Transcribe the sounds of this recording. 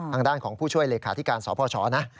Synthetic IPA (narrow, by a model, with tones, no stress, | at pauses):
aː˧ŋdaː˥˩nkʰɔː˩˦ŋpʰuː˥˩t͡ɕʰu˥˩əjleː˧kʰaː˧˩t̪i˦˥˩kaː˧nsɔː˩˦pʰɔː˧t͡ɕʰɔ̰ː˨˦na˦˥